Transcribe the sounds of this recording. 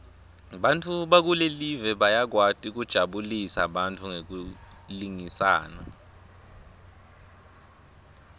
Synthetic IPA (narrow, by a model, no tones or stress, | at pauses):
ɓantʰʼuɓak̬ulelivɛɓajak̬watʼik̬ud̥ʒ̥ʱaɓulisa̰ɓantʰʼuŋek̬u | liŋisa̰ːna̰